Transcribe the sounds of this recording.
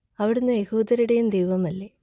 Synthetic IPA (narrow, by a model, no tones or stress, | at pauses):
ɐʋiɽunːɨjehuːd̪ɐɾuɽe̞jumd̪ejʋɐmɐlːe